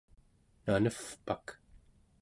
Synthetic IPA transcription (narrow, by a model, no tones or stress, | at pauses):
nanəfpak